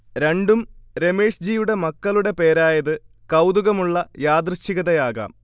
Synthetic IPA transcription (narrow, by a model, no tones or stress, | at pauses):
ɾe̞ɳɖumɾe̞meːʂd͡ʑijuɽe̞mɐkːɐluɽe̞pe̞ːɾaːjɐðɨ | kɐwd̪uɣɐmuɭːɐjaːd̪rɨɕiɣɐðɐjaːɣa̰ːm